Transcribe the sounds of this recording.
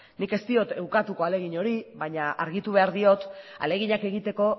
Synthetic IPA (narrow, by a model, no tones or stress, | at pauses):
nike̞st̪io̞t̪e̞wkat̪uko̞ale̞ɣ̞iɲoɾiβajɲaʔaɾɣit̪uβ̞e̞aɾðio̞t̪a̰le̞ɣ̞iɲake̞ɣ̞it̪e̞ko̞